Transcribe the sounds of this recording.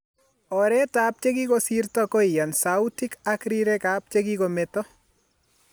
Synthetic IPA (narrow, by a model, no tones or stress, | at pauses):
ɔɾɛtaːp̚t͡ʃekikosirtɔkoɪjansautikakɾiɾekap̚t͡ʃekikometɔ